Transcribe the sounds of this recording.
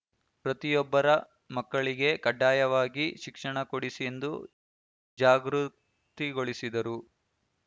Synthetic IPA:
pɾɐt̪ijɔbːɐɾɐ | mɐkːɐɭiɡe̞kɐɖːaːjɐʋaːɡiʃikʂɐɳɐkoɽisie̞nd̪u | d͡ʒaːɡɾu | t̪iɡo̞ɭisid̪ɐɾu

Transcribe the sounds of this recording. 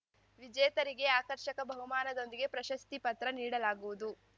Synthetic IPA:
ʋid͡ʒɛːt̪ɐɾiɡe̞aːkɐɾʃɐkɐbʱɐɦumaːnɐd̪o̞nd̪iɡe̞pɾɐʃɐst̪ipɐt̪ɾɐniːɽɐlaːɡuʋud̪u

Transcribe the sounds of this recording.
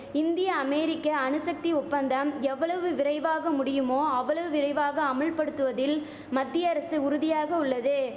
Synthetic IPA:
ɪnd̪ɪjɐːmɛːɾɪkːɐːɳɯsɐk̚t̪iʊpːɐnd̪ɐmɛʋːɐɭɐʋɯʋɪɾɐɪʋaːɣɐmʊɽɪjɯmoːɐʋːɐɭɐʋɯʋɪɾɐɪʋaːɣɐːmɐɭpɐɽɯt̪ːɯʋɐðɪl | mɐd̪ːɪjɐɾɐsɯʊɾʊðɪjaːɣɐʊɭːɐðɯ

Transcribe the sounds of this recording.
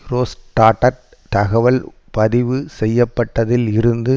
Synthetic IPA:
ɾoːsʈːaːʈːɐ | t̪ɐɣɐʋɐl | pɐðɪʋɯsɛjːɐpːɐʈːɐðɪlɪɾɯnd̪ɯ

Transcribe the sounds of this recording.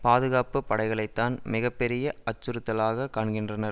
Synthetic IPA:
paːðɯɣaːpɯpːɐɽɐɪɣɐɭɐɪt̪ːaːnmɪɣɐpːɛɾɪjɐʔɐt͡ʃːɯɾɯt̪ːɐlaːɣɐkaːɳɡɪndrɐnɐɾ

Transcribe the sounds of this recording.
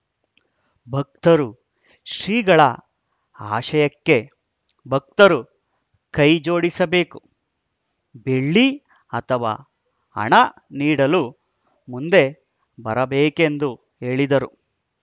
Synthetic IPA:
bʱɐk̚t̪ɐɾu | ʃɾiːɡɐɭɐ̰ | aːʃɐjɐkːe̞ | bʱɐk̚t̪ɐɾu | kɐjd͡ʒo̞ːɽisɐbe̞ːku̥ | be̞ɭːi | ɐt̪ʰɐʋa̰ː | ɐ̰ɳɐniːɽɐlu | mund̪e̞ | bɐɾɐbeːkend̪u | e̞ːɭid̪ɐɾu

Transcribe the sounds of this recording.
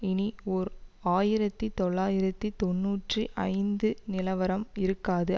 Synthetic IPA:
ɪniɔɾaːjɪɾɐt̪ːit̪ɔɭːaːjɪɾɐt̪ːit̪ɔnːuːʈriʔɐɪnd̪ɯnɪlɐʋɐɾɐmɪɾɯkːaːðɯ

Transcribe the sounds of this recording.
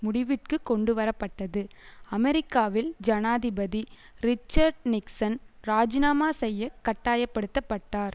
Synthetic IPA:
mʊɽɪʋɪʈkɯkːɔɳɖɯʋɐɾɐpːɐʈːɐðɯ | ɐmɛɾɪkːaːʋɪld͡ʒɐnaːðɪbɐði | ɾɪt͡ʃːɐɾɖnɪksɐnɾaːd͡ʒɪnaːmaːsɛjːɐkɐʈːaːjɐpːɐɽɯt̪ːɐpːɐʈːaːɾ

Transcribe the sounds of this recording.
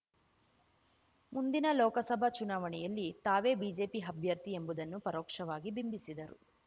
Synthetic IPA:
mund̪inɐlɔːkɐsɐbʱɐt͡ʃunaːʋɐɳɛjɐlːit̪aːʋe̞ːbiːd͡ʒe̞ːpiɦɐbʱjɐɾt̪ie̞mbud̪ɐnːupɐɾɔːkʂɐʋaːɡibimbisid̪ɐɾṵ

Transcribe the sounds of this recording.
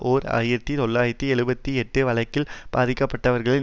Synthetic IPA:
ʔoːɾa̰ːjɪɾɐt̪ːit̪ɔɭːaːjɪɾɐt̪ːiɛɻɯbɐt̪ːiɛʈːɯʋɐɭɐɪkːɪlb̥aːðɪkːɐpːɐʈːɐʋɐɾɣɐɭɪ

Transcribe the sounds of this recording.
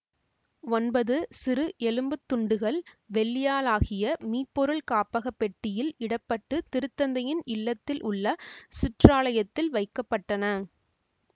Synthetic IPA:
ɔnbɐðɯsɪɾɯʔɛlɯmbɯt̪ːʊɳɖɯɣɐɭ | ʋɛɭːɪjaːlaːɣɪjɐmiːpːɔɾɯɭkaːpːɐɣɐpːɛʈːɪjɪlɪɽɐpːɐʈːɯt̪ɪɾɯt̪ːɐnd̪ɐjɪnɪlːɐt̪ːɪlʔʊɭːɐsɪʈraːlɐjɐt̪ːɪlʋɐɪkːɐpːɐʈːɐnɐ

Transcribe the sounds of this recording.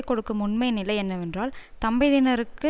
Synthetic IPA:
kːɔɽɯkːɯmʊɳmɐɪnɪlɐɪɛnːɐʋɛndraːlt̪ɐmbɐɪðɪnɐɾɯkːɯ

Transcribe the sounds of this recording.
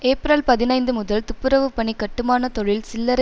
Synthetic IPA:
eːpɾɐlpɐðɪnɐɪnd̪ɯmʊðɐlt̪ʊpːɯɾɐʋɯpːɐɳikːɐʈːɯmaːnɐt̪ɔɻɪlsɪlːɐɾ

